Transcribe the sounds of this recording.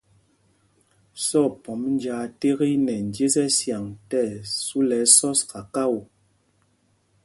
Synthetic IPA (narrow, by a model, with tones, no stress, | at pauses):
sɔ˦˨pɔ˨˦mn˦d͡ʒaː˨te˦ɣi˦nɛ˨n˨d͡ʒe˦zɛ˦sja˨ŋtɛ˦˨su˦lɛ˨˦sɔ˦ska˨ka˦˨wu˨